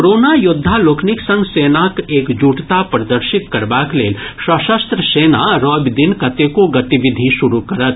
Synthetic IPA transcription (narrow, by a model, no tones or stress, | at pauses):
oɾoːnajʊd̪ʱːaloːkʰnɪksə̃ŋɡseːnakeːkd͡ʒuːʈt̪apɾɐd̪əɾʃɪt̪kɐɾbakleːlʃɐʃəst̪ɾəseːnaɾoːbd̪ɪnkɐt̪ekoɡɐt̪iʋɪd̪ʱiʃʊɾukɐɾət̪̚